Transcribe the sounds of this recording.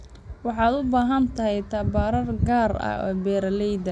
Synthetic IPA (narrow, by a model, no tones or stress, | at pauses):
wɑħɑːd̪ʊbaːɦɐnt̪ʰɐɦɛjt̪ʰɐbaːɾɐrɡaːrɐ̰ɔ̰ːbɛːɾlɛjd̪ɐ